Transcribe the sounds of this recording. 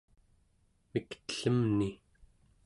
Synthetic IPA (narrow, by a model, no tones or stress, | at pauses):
mikt̪ə̥ɬəmni